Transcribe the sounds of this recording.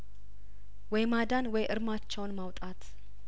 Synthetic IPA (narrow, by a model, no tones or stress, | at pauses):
wɔjmad̪anwɔjʔɨɾmat͡ʃːɛwnmawt̪ʼat̪ʰ